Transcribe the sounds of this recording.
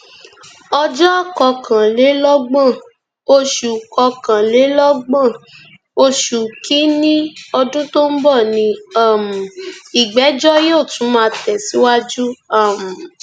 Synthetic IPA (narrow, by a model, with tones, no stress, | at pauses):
ɔ˧d͡ʒɔ˦˨kɔ˧kʰã˨le˨˦lɔ˦ɡ͡bã˦˨ | o˧ʃu˨kɔ˧kã˨le˨˦lɔ˦ɡ͡bã˦˨ | o˧ʃu˨kʰi˨˦nĩ˦ɔ˧dũ˦to˦m̩˦bɔ˦˨nĩ˧a˦˨m̩˨i˨ɡ͡bɛ˨˦d͡ʒɔ˦jo˦˨tũ˨˦mãː˧tɛ˨si˨˦wa˦d͡ʒu˦a˦˨m̩˨